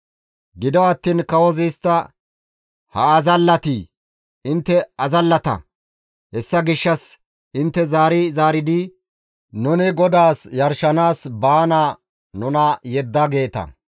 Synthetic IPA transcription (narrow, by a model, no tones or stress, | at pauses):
ɡɪd̪ɔɐt̪ːiːnkɐwɔzijst̪ːɐ | hɐ̰ɐzɐlːɐt̪iː | ɪnt̪ːɛɐzɐlːɐt̪ɐ̰ | hɛsːɐɡɪʃːɐs | ɪnt̪ːɛzaːɾɪzaːɾɪd̪ɪ | nʊnɪɡɔd̪aːsjɐɾʃɐnaːsbaːna | nʊnɐjɛd̪ːɐɡe̞ːt̪ɐ̰